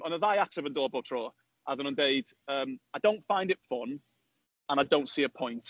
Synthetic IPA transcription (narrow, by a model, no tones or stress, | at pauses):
ə̃nəðaɪatʰəvə̃ndɔːbɔtʰɹ̥ɔː | ʔaðənə̃ndeɪd̥ | əːmajdõʊ̃ntfãɪ̃ndɪtfɔn | ə̃naɪdõʊ̃ntsiːəpʰɔ̃ɪ̃nt